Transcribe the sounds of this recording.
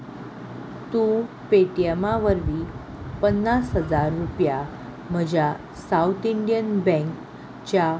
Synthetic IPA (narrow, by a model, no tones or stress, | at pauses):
t̪ũ | peʈijəmaʋəɾʋi | pənːasɦəd͡zaɾːupja | m̤əd͡ʑja | saut̪iɳɖijənbɛ̃ŋk | t͡ɕa